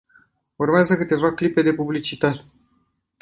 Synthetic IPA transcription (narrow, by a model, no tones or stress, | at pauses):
urmeazəkɨt̪e̞vaklipe̞d̪e̞publit͡ʃit̪at̪e̥